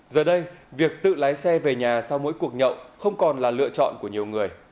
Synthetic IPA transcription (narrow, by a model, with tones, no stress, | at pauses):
zəː˨˩ɗə˧jvi˨˩ək̚t̪ɨ̰˧˨laː˨˦jsɛ˧ve˨˩ɲaː˨˩sa˧wmo̰˧˥jku˨˩ək̚ɲə̰˧˨wxə˧wŋ͡mkɔ˨˩nlaː˨˩lɨ̰˧ət͡ɕɔ̰˧˨nku˧˩əɲi˨˩əwŋɨ˨˩əj